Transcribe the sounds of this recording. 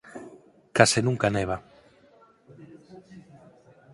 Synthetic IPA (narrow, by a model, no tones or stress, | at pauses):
kasenũŋkaneβ̞a